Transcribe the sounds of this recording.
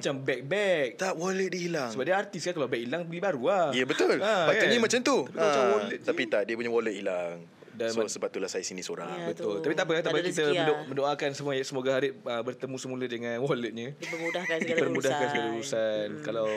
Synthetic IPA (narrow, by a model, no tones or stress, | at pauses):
mat͡ʃambɛk̚bɛk̚t̪awɔlət̪̚diilaŋsəbaʔdaart̪iskankalawbɛk̚ilaŋbəlibaɾuaijəbət̪ʊlaakaɲimat͡ʃamt̪uapiamaawɔlət̪t̪apit̪adiəpuɲawɔlət̪̚ilaŋ | danasəbaulasajasinisoɾa̰ŋbət̪ʊltt̪apit̪apəkat̪apakit̪əəmə̃ndoakansəmuəjasəmoɡaɦaɾɪʔəbərt̪əmũsəmulədəŋãnwɔlət̪̚ɲəəmudahkaipərmudahkansəaluɾusankalaw